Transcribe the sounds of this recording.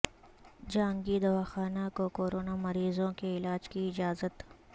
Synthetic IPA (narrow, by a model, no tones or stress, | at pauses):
d͡ʒãːŋɡid̪ɐʋaːxaːnakokoːɾoːnamɐɾiːzõkeɪlaːd͡ʒkiɪd͡ʒaːzət̪